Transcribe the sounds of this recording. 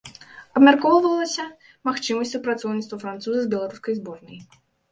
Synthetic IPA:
ɐbmʲarkɔwvɐlˠɐsʲɐ | maxt͡ʂɨmɐsʲupɾat̪sɔwnʲit̪st̪vɐfɾant̪suzɐzbʲɛlˠaɾuskɐjzbɔrnɐj

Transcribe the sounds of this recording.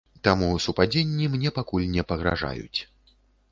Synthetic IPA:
t̪amusupad͡zʲenʲːimnʲɛpakulʲnʲɛpɐɣɾa̰ʐa̰jṵt͡sʲ

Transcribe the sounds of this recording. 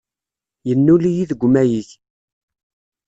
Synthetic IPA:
jənːulijiðəɡʷːmæjiç

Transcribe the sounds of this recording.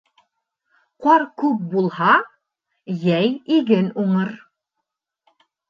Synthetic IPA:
qɑɾkʉp̚bulˠhɑ | jæjiɡɘnuɴɤɾ

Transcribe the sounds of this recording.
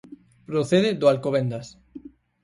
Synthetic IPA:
pɾoθeðɪd̪oalkoβend̪as

